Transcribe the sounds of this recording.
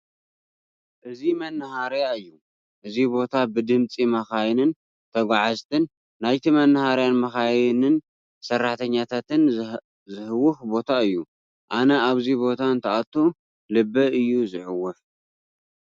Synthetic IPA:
ʔɨzimɐnːɨhaɾjaɨjːu | ʔɨzibo̞t̪ʰabɨd̪ɨmt͡sʼimɐxajnɨn | t̪ʰɐɡʷaʕazt̪ʰɨnː | ajt̪ʰimɐnːɨhaɾjanmɐxajnɨn | sɐrːaħt̪ʰɐɲːat̪ʰat̪ʰɨn | zɨhɨwʊxbo̞t̪ʰaɨjːu | ʔanɐʔaβzibo̞t̪ʰant̪ʰɐat̪ʰːu | lɨbːɐɨjːuzɨħɨwːʊħ

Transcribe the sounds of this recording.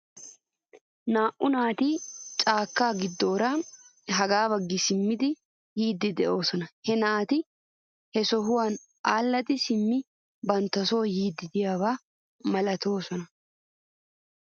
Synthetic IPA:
naːʔʔʊnaːt̪it͡ʃʼaːkːaːɡɪd̪ːo̞ːɾaɦɐɡaːbɐɡːɪsɪmːɪd̪ɪ | jiːd̪ːɪd̪ɛʔo̞ːsɔnɐhɛnaːt̪ɪ | hɛsɔɦʊwaːn | ʔaːlːɐt̪ɪsɪmːɪ | bɐnt̪ːɐso̞ːjiːd̪ːɪd̪ɪjaːβaː | mɐlɐt̪o̞ːsɔnɐ

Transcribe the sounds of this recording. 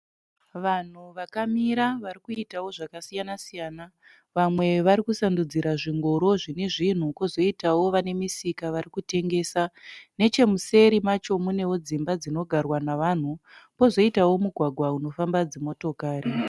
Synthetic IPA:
ʋan̤uʋakamiɾaʋaɾikuitawo̞ʐakasijanasijaːna | ʋamwe̞ʋaɾikusandud͡ziɾaʐiŋɡoɾo̞ʐine̞ʐin̤uko̞zo̞itawo̞ʋane̞misikaʋaɾikute̞ŋɡe̞ːsane̞t͡ʃe̞muse̞ɾimat͡ʃo̞mune̞wo̞d͡zimbad͡zino̞ɡʱarwanaʋan̤upo̞zo̞itawo̞muɡʱwaɡʱwauno̞fambad͡zemo̞to̞kaːri

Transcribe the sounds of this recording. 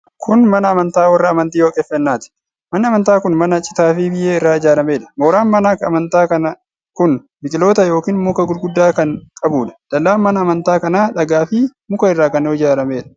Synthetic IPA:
kʰʊnmɐnɐːmɐnt̪aːwɐrːɐːmɐnt̪iːjoːkʼɛfːɛnːaːt̪ɪ̥ | mɐnːɐmɐnt̪aːkʊnmɐnɐt͡ʃʼɪ̥t̪aːfɪbɪjeːɪrːaːɪd͡ʒaːlɐme̞ːᶑɐ̥mo̞ːɾaːnmɐnakɐmɐnt̪aːkɐnɐ | kʊn | bɪkʼɪlo̞ːt̪ɐjo̞ːkiːnmːʊkɐɡʊlɡʊd̪ːaːkɐnkʼɐbuːᶑɐ̥d̪̥ɐlːaːnmɐnɐːmɐnt̪aːkɐnaːᶑɐɡaːfɪmʊkɐɪrːaːkɐnːɔɪd͡ʒaːlɐmeːᶑɐ̥

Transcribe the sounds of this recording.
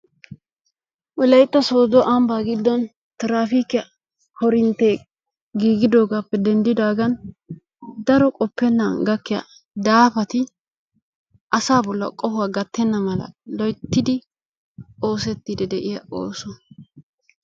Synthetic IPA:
wɔlɐjt̪ːɐso̞ːd̪ɔʔɐmbaːɡɪd̪ːɔn | t̪ɾaːfiːkɪjɐ | hɔɾɪnt̪eː | ɡiːɡɪd̪o̞ːɡaːpːɛd̪ɛnd̪ɪd̪aːɡɐn | d̪ɐɾɔkʼɔpːɛnːa̰ɡɐkːɪja̰ | d̪aːfɐt̪ɪ | ʔɐsaːbɔlːɐ̰kʼɔhʊwaːɡɐt̪ːɛnːɐmɐlɐ̰lɔjt̪ːɪd̪ɪ | o̞ːsɛt̪ːid̪ɛd̪ɛʔɪjɐ̰ʔo̰ːsɔ

